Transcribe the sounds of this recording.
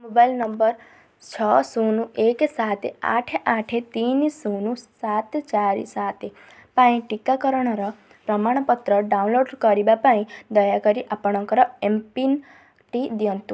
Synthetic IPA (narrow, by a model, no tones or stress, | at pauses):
mobajlnʌmbʌɾ | t͡ʃʰɔsunũeksat̪ʰea̰ʈʰeʔaʈʰet̪inisunũsat̪t͡ʃaɾḭsat̪ʰe | paĩʈikakɔɾɔɽ̃ɔɾɔ | pɾʌmaɽ̃ɔpɔt̪ɾʌɖaũnloɖkʌɾibapaĩd̪ʌjakʌɾiʔapɔɽ̃ɔ̃ŋkɔɾɔempin | ʈid̪jɔnt̪u